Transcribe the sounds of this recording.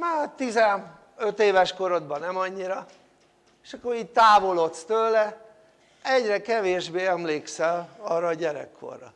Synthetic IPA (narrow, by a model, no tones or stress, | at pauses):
maːt̪izɛn | øt̪eːvɛʃko̞ɾo̞d̪̚bɒnɛmɒɲːiɾɒ | eʃɒkːoɾiːɟ̚t̪aːvo̞lo̞t̪st̪øːlɛ | ɛɟrɛkɛveːʒbeːɛmleːksɛlɒːrːɒːɟɛɾɛ̰kʰːo̰rːɒ̰